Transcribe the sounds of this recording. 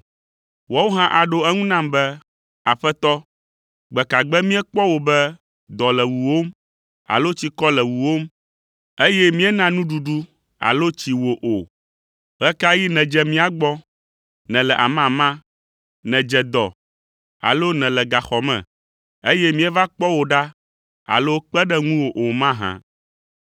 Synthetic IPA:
wɔ˦wo˦ɦã˦ʔa˨ɖo˦ɛ˦ŋũ˦nã˦˨mbɛ˦ | a˨ɸɛ˦t̪ɔ˦ | ɡ͡bɛ˨ka˨ɡ͡bɛ˦mĩ˦ɛ˦k͡pɔ˦wo˨bɛ˦ | d̪ɔ˨lɛ˨wu˨wo˦m | a̰˨lo˦t͡ɕi˦kɔ˦lɛ˨wu˨wo˦m | e˦jɛ˦mĩ˦ɛ˦nã˦nũ˦ɖu˨ɖu˦ | a̰˨lo˦t͡ɕi˨wo˨ʔo˨ | ɣɛ˦ka˦ji˦nɛ̃˨d͡ʒɛ˨mĩ˦a˨ɡ͡bɔ˦ | nɛ̃˨lɛ˨ʔa̰˨mã˨mã˦ | nɛ̃˨d͡ʒɛ˨d̪ɔ˨ | a̰˨lo˦nɛ̃˨lɛ˨ɡa˨xɔ˨mɛ̰̃˨ | e˦jɛ˦mĩ˦ɛ˦va˦k͡pɔ˦wo˨ɖa˦ | a̰˨lo˦k͡pɛ˦ɖɛ˦ŋũ˦wo˨ʔo˨mã˦ɦã̰˦

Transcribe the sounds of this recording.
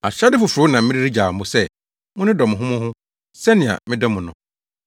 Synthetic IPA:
a̰˨ɕa˦dɪ˦fʊ˨fʊ˨ʊ˨˦nã˨mɪ̃˦ɾi˦ɾi˦d͡ʑaː˨m̩˨bʊ˦sɛ˦ | mʊ̃˦nʊ̃˦dɔ˨mʊ̃˨ɦʊ̃˦mʊ̃˦hʊ̃˦ | sɛ˦nɪ̃˨a̰˨mɪ̃˦dɔ˦mʊ̃˨nʊ̃˨

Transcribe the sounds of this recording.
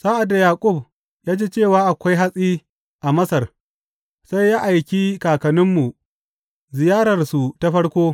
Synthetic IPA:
sa˦ʔa˨da˨jaː˨kʷʼʊ˦˨b | jaː˦d͡ʒeː˦t͡ʃeː˦˨waː˦ʔa˨kʷa˦jɦa˦sʼiː˦ | ʔa˨mɐ˦sɐ˨r | sa˦jːaː˦ʔa˨jkʲi˦kaː˨kɐ˨nɪ˦mːu˨ | zɪ˨jaː˦ɾɐ˨rsu˨ta˦ɸɐ˦ɽkʷoː˦

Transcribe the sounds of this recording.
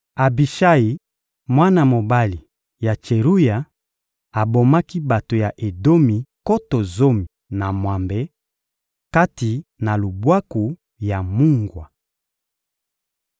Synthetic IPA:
a˨bi˨ʃa˦ji˨ | mwa˦na˨mo˨ba˦li˨ | ja˨t͡ʃe˨ʁu˦ja˨ | a˨bo˨ma˦ki˦ba˨to˨ja˨ʔe˨do˦mi˨ko˦to˨zo˦mi˨ | na˨mwa˨mbɛ˨˦ | ka˦ti˨na˨lo˨bwa˦ku˨ | ja˨mu˦ŋɡwa˨

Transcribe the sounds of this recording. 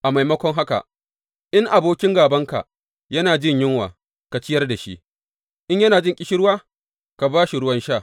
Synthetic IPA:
ʔa˨ma˨jmɐ˦kʷɔ˦ŋɦa˦ka̰˨ | ʔɪ˦ŋʔa˨boː˦kʲɪ˦ŋɡaː˨bɐ˦ŋka̰˨ | jɐ˦naː˨d͡ʒɪ˦ɲjɪ˦ŋwa̰ː˨ | ka˨t͡ʃɪ˦jɐ˦rda˨ʃḭ˦ʔ | ʔɪ˦ɲjɐ˦naː˨d͡ʒɪ˦ŋkʲʼɪ˦ʃɪ˦ɽwaː˦ | ka˨baː˦ʃi˨ɽʊ˦wɐ˦nʃaː˦˨

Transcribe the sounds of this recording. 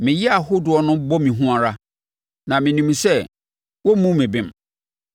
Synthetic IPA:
mɪ̃˨jɛ˦a˨hʊ˦dʊ˨ɔ˨nʊ̃˦bɔ˦mĩ˨ɦũ˦a˨ɾa˦ | nã˨mɪ̃˨nĩ˨msɛ˦˨ | wɔ˦mũ˦mɪ̃˨bɪ̃˦m

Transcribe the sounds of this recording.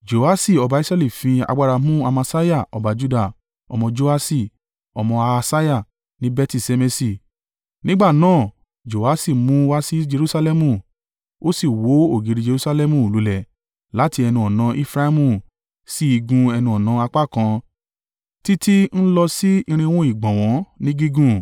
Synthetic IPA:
d͡ʒo˨a˦si˦˨ɔ˨˧ba˧i˦sɾɛ˦li˦˨fĩ˧a̰˧ɡ͡ba˧ɾa˧mũ˦a˧ma˧sa˦ja˦˨ɔ˨ba˨˧d͡ʒu˦da˦˨ | ɔ˧mɔ̃˧d͡ʒo˧a˧si˦˨ | ɔ˧mɔ̃˧a˧sa˦ja˦˨ | nĩ˦bɛ˦ti˦˨se˧me˧si˧˨ | nĩ˦ɡ͡ba˦˨nãː˦˨ | d͡ʒo˨a˦si˦˨mũ˨˦wa˦si˦d͡ʒe˧ɾu˦sa˧lɛ˦mũ˧˨ | o˦si˦˨wo˨˦o˦˨ɡi˨ɾi˨˧d͡ʒe˧ɾu˦sa˧lɛ˦mũ˧˨lu˨lɛ˨ | la˨˦ti˧ɛ˧nĩ˧ɔ˨nã˨˧˦ʔi˧˦fɾa˦i˦mũ˦˨ | si˦i˧ɡũ˧ɛ˧nĩ˧ɔ˨nã˧a˧k͡pa˦˨kã˧ | ti˦ti˦n̩˦lɔ˧si˦ĩ˧ɾ̃ĩ˧wũ˦i˦˨ɡ͡bɔ̃˨w̃ɔ̃˨˦nĩ˦ɡi˦ɡũ˦˨

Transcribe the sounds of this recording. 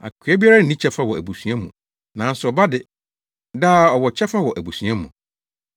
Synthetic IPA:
a̰˨kʰi˨ɛ˦bi˦a˦ɾa˦n̩˨nĩ˦t͡ɕʰɛ˦fa˦wɔ˨æ̰˨bu˨sũ˨ɛ̃˦mũ˨ | nã˨n̩˦sʊ˨ɔ˨ba˦dɪ˨ | daː˦˨ɔ˨wɔ˨t͡ɕʰɛ˦fa˦wɔ˨ʔæ˨bu˨sũ˨ɛ̃˦mũ˨

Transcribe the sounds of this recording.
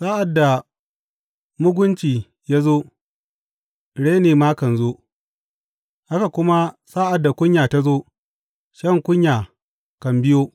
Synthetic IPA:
saː˦ʔa˨dːa˨ | mʊ˦ɡʷʊ˦nt͡ʃiː˨ | ja˦zoː˦ | ɽe˦neː˨ma˦kɐ˨nzoː˦ | ha˦ka˨kʷʊ˦ma˦saː˦ʔa˨dːa˨kʷʊ˦ɲjaː˨ta˦zoː˦ | ʃɐ˦ŋkʷʊ˦ɲjaː˨ | kɐ˨mbɪ˦joː˦

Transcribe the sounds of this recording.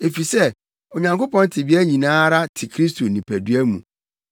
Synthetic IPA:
e˨fi˨sɛ˦ | o˨ɲã˨ŋko˦pɔ̃˦n˦tʰɪ˨bi˦æ˦ɲĩ˨nãː˦ɾa˦tʰɪ˨kʰɾi˦stʰo˨nĩ˨pʰæ˨du˦æ˦mṵ̃˨

